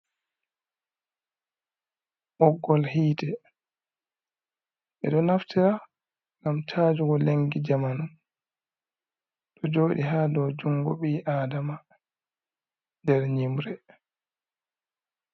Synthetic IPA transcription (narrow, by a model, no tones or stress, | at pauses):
ʔɔɡːɔlhiːtɛ | ɓɛ̰ɗɔnaftiɾa | ŋɡamt͡ʃʰaːd͡ʒuɡɔleŋɡid͡ʒamanun | ɗɔd͡ʒoːɗiɦaːdɔwd͡ʒuŋɡɔ̰ɓiʔaːdama | ndɛɾɲimɾɛ